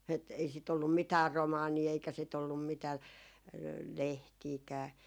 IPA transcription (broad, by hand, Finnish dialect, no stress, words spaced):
et ei sit olːum mitæːr romɑːniː eikæ sit olːum mitæː lehtiːkæː